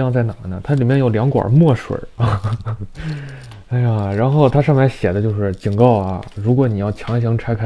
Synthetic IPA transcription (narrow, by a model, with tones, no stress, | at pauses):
ɑ˥˧ŋt͡sa˥˩ɪna˨˩nə˧t̪ʰa˥li˨˩mjɛ˥˧njo˨˩ʊljɑ˧˥ŋkwa̰˨˩mwɔ˥˩ʂwḛ˨˩˦ | a˥˩ɪa˨˩ɻa˧˥nxo˥˩ʊt̪ʰa˥ʂɑ˥˧ŋma˧˥ɪɕjɛ˨˩d̪ə˦t͡ɕjo˥˧ʊʂɻ̩˥˩t͡ɕi˨˩ŋkɑ˥˩ʊɐ̰˩ɻu˧˥kwɔ˧˥ni˨˩jɑ˥˩ʊt͡ɕʰjɑ˧˥ŋɕ̬i˧˥ŋʈ͡ʂʰa˥ɪkʰa˥